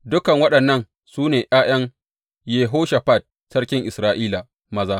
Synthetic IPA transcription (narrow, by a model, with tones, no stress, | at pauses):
dʊ˦kɐ˨ŋwɐ˦ɗɐ˨nːɐ˦n | suː˦neː˨ʔaː˦j̰ɐ˦ŋ | jeː˨ɦoː˦ʃa˨ɸa˦˨d̚ | sɐ˦rkʲɪ˦ŋʔɪ˨sɾaː˦ʔiː˦la˨ | mɐ˦zaː˦